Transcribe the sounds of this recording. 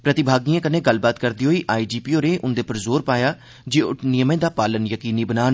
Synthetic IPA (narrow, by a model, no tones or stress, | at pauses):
pɾət̪ɪbʱaːɡiːãːkənẽːɡəlbaːt̪kəɾd̪iːɦoːiːʔaːiːd͡ʒiːpiːoːɾẽːʔʊnd̪eːpəɾzoːɾpaːjaː | d͡ʒeːʊʈnɪjəmẽːd̪aːpaːlənjəkiːniːbənaːn